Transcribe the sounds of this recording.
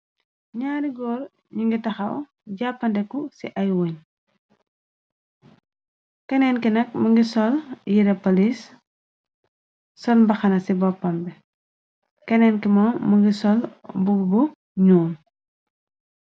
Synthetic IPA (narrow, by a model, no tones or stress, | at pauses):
ɲaːɾiɡɔːɾ | ɲuŋɡitɐxɐɔ̰ | ɟapːɐndɛkːusiʔɐjwoɲ | kɐnɛnkinɐk̚mɐŋɡisɔljiɾɐpɐlis | sɔlmbɐxɐnɐsibɔpːɐmbɛ | kɐnɛːnkimɔmːɐŋɡisɔlbuɡbu | ɲuːn